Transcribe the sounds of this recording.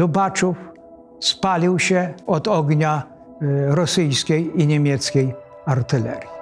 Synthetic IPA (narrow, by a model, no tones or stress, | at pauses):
ubat͡ʂuf | spalʲiwɕɛɔd̪ɔɡɲa | ɾɔsɘjskʲejiɲemʲjɛt̪skʲej | aɾt̪ɘlɛ̰ɾʲji